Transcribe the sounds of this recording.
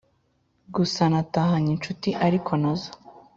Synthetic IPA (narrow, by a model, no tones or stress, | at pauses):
ɡusanataɦaɲint͡ʃutiʔaɾikʰonozḁ